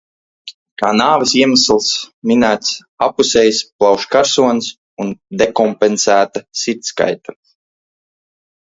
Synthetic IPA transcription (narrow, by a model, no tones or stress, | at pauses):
kaːnaːvɐsiɛmaslˠsminæːt̪s | apusɛjsplˠɑwʃkaɾsuɔns | und̪ekɔmpensæːt̪asiɾt̪ska̰jt̪ḁ